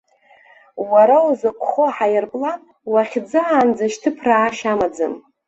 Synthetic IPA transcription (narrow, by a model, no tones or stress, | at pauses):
waɾawzɨkʷʰʼχoħajɪrpʼlan | waχʲd͡zɨand͡zaʃtʰɨpʰraːʃamad͡zɨ̰m